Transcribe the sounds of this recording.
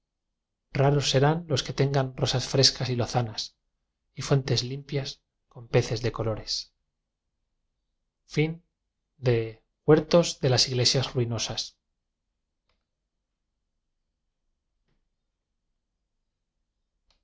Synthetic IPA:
raɾo̞sːe̞ɾanlo̞ske̞t̪e̞ŋɡanro̞sasfɾe̞skasiloθanas | ifwe̞nt̪e̞zlimpjas | ko̞mpe̞θe̞zðeko̞lo̞ɾe̞s | fin | d̪e̞ | ɣwe̞ɾt̪o̞zðe̞lasiɣle̞sjazruino̞sas

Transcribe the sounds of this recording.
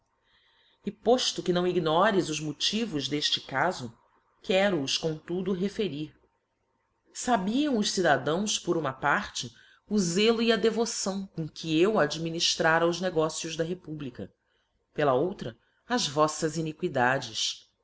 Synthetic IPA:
ɪpoʃt̪ʊkɪnɐ̃w̃iɡnɔɾɪzʊzmut͡ʃivʊzd̪eʃt͡ʃɪkazʊ | kʰɛɾʊːʃkõt̪ud̪ʊɦefeɾiɾ | sabiɐ̃w̃ʊʃsid̪ad̪ɐ̃w̃spʊɾũmɐpaɾt͡ʃɪ | uzelʊiɐd̪evosɐ̃w̃kõkʰiewad͡ʒiminiʃt̪ɾaɾɐʊzneɡɔsijʊʒd̪ɐɦepublikɐ̰ | pelɐowt̪ɾɐ | ɐzvɔsɐzinikwid̪ad͡ʒɪs

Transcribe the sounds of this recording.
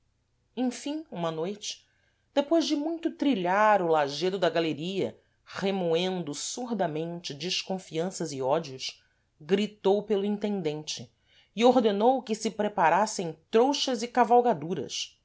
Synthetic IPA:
ẽj̃fĩũmɐnojt͡ʃɪ̥ | d̪̥epojzd͡ʒɪmũj̃t̪ʊt̪ɾiʎaɾʊlaʒed̪ʊd̪ɐɡaleɾiɐ̰ | χemoẽnd̪ʊsuɾd̪ɐmẽnt͡ʃɪd͡ʒɪʃkõfiɐ̃sɐzɪɔd͡ʒiʊʃ | ɡɾit̪owpelʊĩnt̪ẽnd̪ẽnt͡ʃɪ | ɪoɾd̪enowkɪsɪpɾepaɾasẽj̃t̪ɾowʃɐzɪkavawɡad̪uɾɐ̰s

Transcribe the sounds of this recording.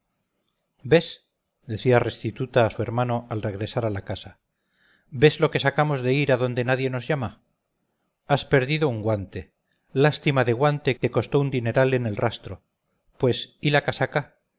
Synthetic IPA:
be̞s | d̪e̞θiare̞st̪it̪ut̪aːsue̞ɾmano̞alre̞ɣɾe̞saɾalakasa | be̞zlo̞ke̞sakamo̞zðe̞iɾaðo̞nd̪e̞naðje̞no̞zʝama | aspe̞ɾðiðo̞uŋɡwant̪e̞ | last̪imaðe̞ɣwant̪e̞keko̞st̪o̞und̪ine̞ɾalene̞lrʔast̪ɾo̞ | pwe̞silakasaka

